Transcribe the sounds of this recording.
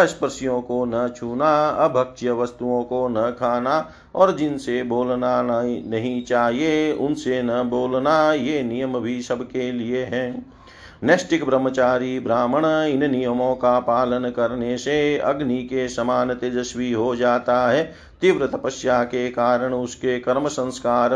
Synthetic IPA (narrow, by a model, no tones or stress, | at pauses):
əspəɾsijõːkonɐt͡ʃʰuːnaɐbʱəkʃjəʋəst̪uõkonɐkʰaːna | ɔːɾd͡ʒɪnseboːlnanɐɦĩt͡ʃaːɦieʊ̰nsenɐboːlnajeːnijəmbʱisɐbkelieɦɛ̃ː | nesʈɪkbɾəmːət͡ʃaːɾibɾaːməɽ̃ɪnnijəmõːkapaːlənkɐɾneseɐ̰ɡnikesɐmaːnɪt̪ed͡ʒ̪əʃwiɦod͡ʒaːt̪aɦɛː | t̪ɪʋɾət̪əpəsjakekaːɾəɽ̃ʊskekɐɾməsə̃nskaːɾ